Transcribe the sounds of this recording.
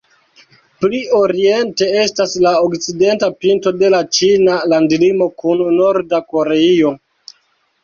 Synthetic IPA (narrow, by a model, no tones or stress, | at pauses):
pliʔo̞ɾie̞nte̞e̞staslaokt͡side̞ntapinto̞de̞lat͡ʃinalandilimo̞kunːo̞ɾdako̞ɾe̞io̞